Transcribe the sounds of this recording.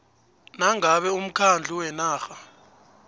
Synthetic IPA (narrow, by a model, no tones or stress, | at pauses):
naŋaɓɛum̩kʰand͡ɮʱuwɛnaːxa